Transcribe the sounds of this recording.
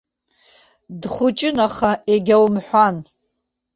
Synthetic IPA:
dχʷʊt͡ʃʼɪnaχaʔeɡʲawmħʷan

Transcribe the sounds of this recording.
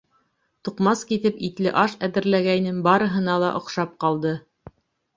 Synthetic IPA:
t̪uqmɑskit̪ɘpit̪lɘʔɑʃæðɘ̆ɾlæɡæjnɘŋbɑɾɤ̆ɦɤ̆nɑlˠɑʔŏqʃɑp̚qɑlˠd̪ɤ

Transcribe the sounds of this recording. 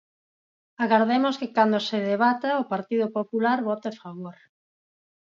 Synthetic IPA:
aɣaɾðemoskɪkand̪oseðeβat̪aʊpaɾt̪iðʊpopulaɾβɔt̪afaβoɾ

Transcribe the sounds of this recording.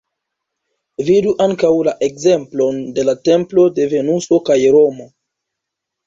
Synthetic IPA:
viduʔaŋkawlaʔe̞kze̞mplo̞nde̞late̞mplo̞de̞ve̞nuso̞kajɾo̞mo̞

